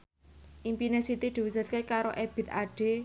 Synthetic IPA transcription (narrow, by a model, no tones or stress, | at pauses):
ʔimpinesit̪id̪̥i̤wisat̪̚kekaɾoʔeb̥i̤t̪aɖ̥e̤